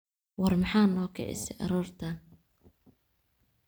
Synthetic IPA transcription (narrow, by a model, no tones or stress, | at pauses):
wɑrmɑħɑːnɔːkʰɛ̰ʕɪ̰sɛʔɑ̰ɾuːrt̪ʰɐn